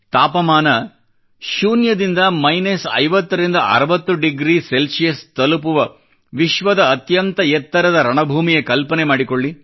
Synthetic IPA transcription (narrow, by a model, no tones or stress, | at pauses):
t̪aːpɐmaːnɐ | ʃuːnjɐd̪ind̪ɐmɐjnesɐ̰jʋɐt̪ːɐɾind̪ɐʔɐ̰ɾɐʋɐt̪ːuɖiɡɾiːselsijɐst̪ɐlupuʋɐ | ʋiʃʋɐd̪ɐːt̪jɐnt̪ɐjɛt̪ːɐɾɐd̪ɐɾɐɳɐbʱuːmijekɐlpɐnemaːɽikoɭːi